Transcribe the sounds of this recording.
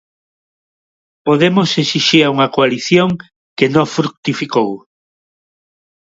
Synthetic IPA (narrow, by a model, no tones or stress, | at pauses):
poðemosesiʃiɾauŋɐkoaliθjõŋ | kenõfɾuk̚t̪ifikow